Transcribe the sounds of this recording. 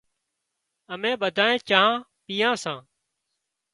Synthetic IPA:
əmẽːɓəd̪ʱaːẽːt͡ʃaːɦãː | piːjãːsãː

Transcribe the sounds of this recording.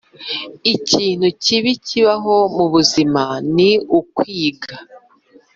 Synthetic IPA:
iciːn̥huciβiciβaɦo̞muβuzimaniukwiːɡa

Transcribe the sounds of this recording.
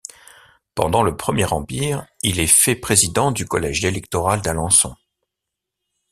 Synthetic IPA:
pɑ̰̃d̪ɑ̃ləpχəmjɛʁɑ̃piːʁilɛfɛpχezid̪ɑ̃d̪ykɔlɛʒd̪elɛk̚t̪ɔʁald̪alɑ̃sɔ̰̃

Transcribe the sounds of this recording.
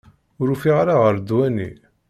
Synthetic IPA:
ʊɾufiʁɾaʁəɾd̪wænḭ

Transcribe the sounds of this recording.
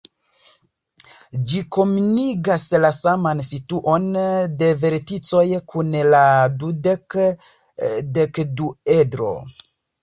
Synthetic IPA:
d͡ʒiko̞muniɡaslasamansituʔo̞nde̞ve̞ɾtit͡so̞jkʰunladude | dekduedɾo̞̰

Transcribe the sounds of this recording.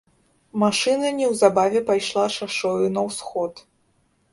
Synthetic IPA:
maʂɨnɐnʲɛwzabavʲɛpajʂlˠaʂaʂɔjunɐwsxɔt̪

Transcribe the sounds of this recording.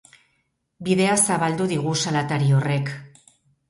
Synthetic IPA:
biðe̞asaβald̪uðiɣ̞usalat̪aɾio̞re̞k

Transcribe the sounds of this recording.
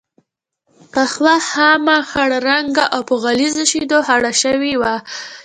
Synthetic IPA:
paxwahamaxaɽaɾaŋɡaʔawpəɣalizoʃid̪ohaɽaʃəwiwa

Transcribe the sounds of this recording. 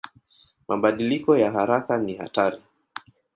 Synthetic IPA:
maɓaɗilikɔjaɦaɾakaniha̰taɾi

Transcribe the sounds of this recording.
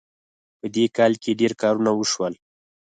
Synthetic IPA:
pəd̪ekɑlkeɖeɾkɑɾunawəʃwəl

